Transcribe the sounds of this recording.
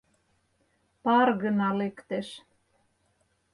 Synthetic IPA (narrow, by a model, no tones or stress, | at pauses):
pɑrɣə̆nɑlekt̪eʃ